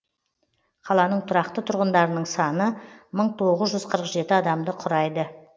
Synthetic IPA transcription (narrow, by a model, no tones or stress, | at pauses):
qʰɑlˠɑnəɴt̪ʰʊɾɑqt̪ət̪ʰʊɾʁənd̪ɑɾənəɴsɑnəməɴt̪ʰo̞ʁəzʒʏzqʰəɾəqʒe̞t̪ɪɑd̪ɑmd̪əqʰʊɾɑjd̪ə